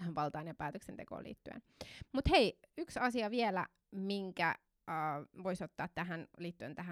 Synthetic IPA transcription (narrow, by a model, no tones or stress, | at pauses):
hæmpɑlt̪ɑinempæːt̪øksent̪eko̰ːlʔḭːt̪ːyḛn | mut̪heiyksɑsiɑʋielæ̰ | miŋkæ̰ | əːʋoisot̪ːɑːt̪t̪æɦænliːt̪ːyent̪æɦæ